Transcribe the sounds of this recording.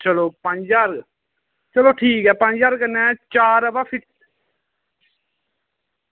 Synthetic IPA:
t͡ʃəloːpəɲd͡ʒaɾɡ | t͡ʃəloːʈʰiːkɦɛːpə̃ɲd͡ʒaːɾkənɛ̃ːt͡ʃaːɾəbaːpʰɪʈ

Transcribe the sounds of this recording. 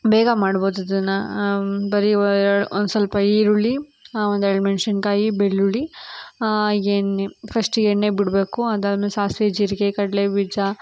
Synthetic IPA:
bɛːɡɐmaːɽboːd̪ɐd̪ɐnːɐ | bɐɾiɾɽuond̪usɐlpɐiːɾuɭiond̪ueɭɖmenʃɐnkaːjibeɭːuɭi | eːnepʰɐsʈeɳːeːbiɽbeːkuɐd̪aːlmesaːsʋeːd͡ʒiːɾiɡekɐɽɐleʋid͡ʒa

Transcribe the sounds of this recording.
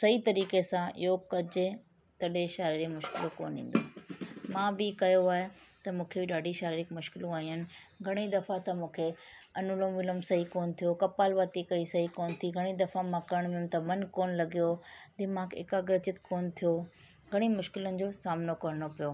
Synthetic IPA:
sɐɦit̪ɐɾiːkesãɪ̰jokɐd͡ʑ | t̪ɐɗeʃaːɾiɾimʊʃkɪloko̰ːnḭ̃ːn̆d̪oːmãːbɪkɐjoaːɦet̪ɐmũːkʰebɪɗaːɖʱiʃaːɾiɾɪkmʊʃkɪlũaːĩjənɪ̆ | ɡʱɐɽ̃id̪ɐfãt̪ɐmũːkʰeɐnʊlõmʋɪləmsɐɦikoːnt̪ʰijokɐpaːlʋaːt̪ikɐisɐɦikoːnt̪ʰiɡʱɐɽ̃id̪ɐfãmãkɐɾəɽ̃ʋɪmt̪ɐmɐnkoːnlɐɡijod̪ɪmãkɪ̰kaɡɾɐt͡ɕɪt̪koːnt̪ʰijo | ɡʱɐɽ̃imʊʃkɪlənɪ̆d͡ʑoːsaːmnokɐɾəɽ̃opijoː

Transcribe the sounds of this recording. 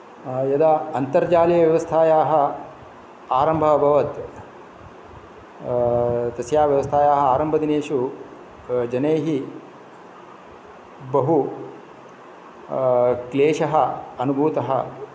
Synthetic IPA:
jɐd̪ɐɐnt̪ɐɾd͡ʒaːlijɐʋjɐʋɐst̪ʰaːjaːɦɐ | aːɾɐmbʱɐɐbʱɐʋɐt̪ | t̪ɐsjaːʋjɐʋɐst̪ʰaːjaːɦɐ̆aːɾɐmbʱɐd̪ineːʂu | d͡ʒɐneːɦi | bɐɦu | kleːʃɐɦɐɐnubʱuːt̪ɐɦɐ̰

